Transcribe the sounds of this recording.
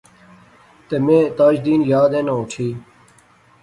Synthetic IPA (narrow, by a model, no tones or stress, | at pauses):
t̪eːmẽːt̪aːd͡ʒd̪iːnjaːd̪ẽːnãʊʈʰiː